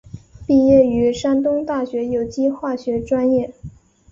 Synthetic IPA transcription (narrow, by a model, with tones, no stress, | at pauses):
pi˥˧jɛ˥˩y˧˥ʂa˥nt̪ʊ˥ŋt̪a˥˩ɕɥɛ˧˥jo˨˩ʊt͡ɕi˥xwa˥˩ɕɥɛ˧˥ʈ͡ʂwa˥njɛ˥˩